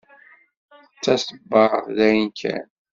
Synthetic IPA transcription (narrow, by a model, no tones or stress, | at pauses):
t͡sːæsəbːɑððæjənkʰæ̰n